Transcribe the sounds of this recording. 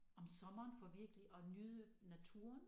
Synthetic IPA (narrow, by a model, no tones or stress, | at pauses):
ɒ̽msɒ̽mɐːnfɒʋiɐɡ̥əliʔɒnyðˠə | næt͡sʰuːɐn